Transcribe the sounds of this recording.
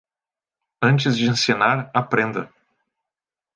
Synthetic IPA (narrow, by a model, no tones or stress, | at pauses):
ɐ̃nt͡ʃɪzd͡ʒɪẽsinaɾapɾẽnd̪ɐ